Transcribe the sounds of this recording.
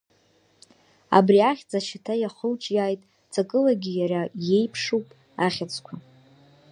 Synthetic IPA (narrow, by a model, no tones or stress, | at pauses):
a̰briaχʲt͡sʼaʃatʰajaχəwt͡ʃʼjaːjtʼ | t͡sʰʼakʼɨlaɡʲijaraje̞jpʰʂupʼ | aχʲat͡sʰʼkʷʰa